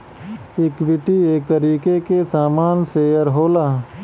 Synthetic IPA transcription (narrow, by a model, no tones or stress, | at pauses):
ɪkʋɪʈieːk̚t̪əɾiːkekesaːmaːnsejəɾɦoːlaː